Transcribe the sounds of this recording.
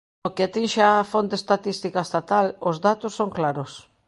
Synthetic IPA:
okeat̪inʃeafont̪est̪at̪ist̪ikaest̪at̪alozðat̪ʊsːoŋklaɾos

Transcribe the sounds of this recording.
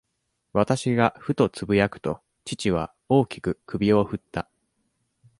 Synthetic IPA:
βat̪aɕiɡaɸɯ̟t̪o̞t͡sɨbɯ̟jakɯ̟̥t̪o̞ | t͡ɕit͡ɕiβ̞a̰ | o̞ːkʲi̥kɯ̟kʰɯ̟bʲio̞ɸɯ̟t̪ːa

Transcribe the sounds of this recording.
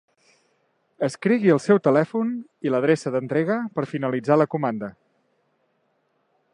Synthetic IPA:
əskɾiɣiəlˠsɛwt̪əlɛfuniləð̞ɾesəðənt̪ɾeɣəpəɾfinəlid͡zaləkumand̪ə

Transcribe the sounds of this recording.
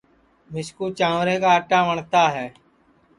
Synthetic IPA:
mɪʃkuːt͡ʃãːʋɾẽːkaːəʈaːʋəɳt̪aːɦɛː

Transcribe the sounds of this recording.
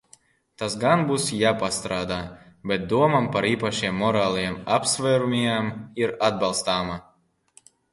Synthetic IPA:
t̪asɡanbusjaːpast̪ɾaːd̪aː | bʲɛt̪̚d̪uɔmampaɾiːpaʃiɛmːɔɾaːlˠajamapsvʲɛːɾumʲiamiɾad̪̚balˠst̪aːma

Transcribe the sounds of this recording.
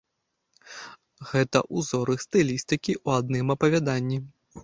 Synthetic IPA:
ɣɛt̪ɐ̰ʔuzɔɾɨxst̪ɨlʲist̪ɨkʲiʔuad̪̚nɨmɐpɐvʲad̪anʲːi

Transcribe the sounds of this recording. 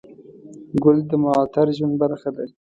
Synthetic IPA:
ɡʊld̪əmaɑt̪ʰaɾʒwanbaɾxad̪a

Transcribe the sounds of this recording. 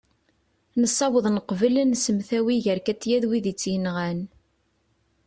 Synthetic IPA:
nəsˤːɑwəðˤnəqvələnsəmθæwiʝəɾkæt͡sːjæðwiðit͡sːjənʁæn

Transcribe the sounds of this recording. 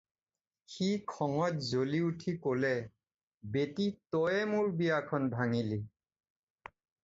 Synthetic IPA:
xikʰɔŋɔtzoliutʰikolɛ | betitɔjɛmʊɹbijakʰɔnbʱaŋili

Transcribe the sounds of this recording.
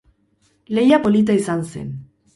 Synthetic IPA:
le̞japo̞lit̪̬aisansḛn

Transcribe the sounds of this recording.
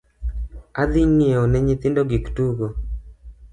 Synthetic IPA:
ad̪inieɔnɛɲit̪ɪndoɡiktuɡo

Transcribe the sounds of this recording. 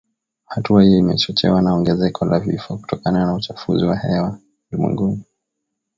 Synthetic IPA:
hatuahijɔimɛt͡ʃɔt͡ʃɛ̰wanaɔŋɡɛzɛkʰɔlavifɔku̥tɔkananaut͡ʃafuziwahɛwa | dumwɛ̰ŋɡumu

